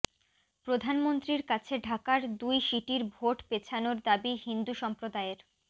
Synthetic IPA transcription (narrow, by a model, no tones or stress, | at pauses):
pɾod̪ʱanmont̪ɾiɾkat͡ɕʰeɖʱakaɾd̪ujʃiʈiɾbʱoʈpet͡ɕʰanoɾd̪abihind̪uʃɔmpɾod̪aeɾ